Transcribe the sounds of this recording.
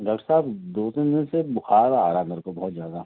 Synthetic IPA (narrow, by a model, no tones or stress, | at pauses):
ɖɔːk̚ʈəɾsaːbd̪oːt̪ennesebʊxaːɾaaːɾanəɾkobɔɦʊt̪zjaːd̪a